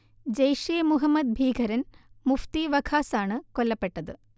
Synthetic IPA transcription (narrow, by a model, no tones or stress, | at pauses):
d͡ʑɐjʂeːmuɦɐmːɐd̪̚bʱiːɡʱɐɾɐnmuft̪iʋɐkʰaːsaːɳɨkolːɐpːe̞ʈːɐðɨ